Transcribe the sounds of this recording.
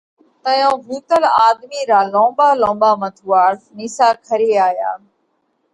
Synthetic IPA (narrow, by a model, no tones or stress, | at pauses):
t̪əjõːʋuːt̪əlaːd̪miːɾaːlõːbaːlõːbaːmət̪ʰuːaːɾsniːsaːkʰəɾeːaːjaː